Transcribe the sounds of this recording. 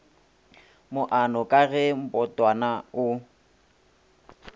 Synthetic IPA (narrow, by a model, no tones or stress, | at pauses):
mʊʔanɔkʼaɣɛm̩pʼɔtʼwanaʊ